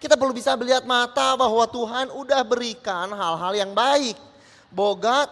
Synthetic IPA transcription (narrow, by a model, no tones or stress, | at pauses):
kit̪apərlubisabəliɦat̪̚mat̪abaɦwat̪uɦanudahbəɾikanɦalɦaljaŋbaɪk̚ | boɡa